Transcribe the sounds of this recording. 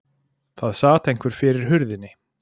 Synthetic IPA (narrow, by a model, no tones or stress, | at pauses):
θaðsaːt̪ejŋkvɛɾ̥fɪɾɪɾ̥ɦʏɾðɪnːɪ